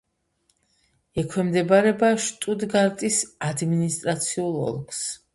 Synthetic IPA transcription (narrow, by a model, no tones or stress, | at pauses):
ɛkʰwɛmd̪ɛbaɾɛbaʃt̪ʼud̪ɡaɾt̪ʼisad̪minist̪ʼɾat̪sʰiulˠɔ̰lˠks